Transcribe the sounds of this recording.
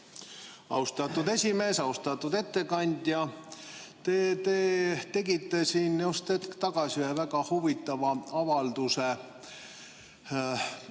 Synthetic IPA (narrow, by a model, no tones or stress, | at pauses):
ɑ̰wst̪ɑt̪ːud̪e̞sʲime̞ːsɑust̪ɑt̪ːˑud̪e̞t̪ːe̞kɑnʲd̪̥ʲjɑ | t̪et̪eːt̪e̞ɡit̪ːe̞siːnost̪et̪kt̪ɑɡ̥ɑsʲiyhevæɡ̥ɑhuvit̪ːˑɑvɑɑvɑld̪̥use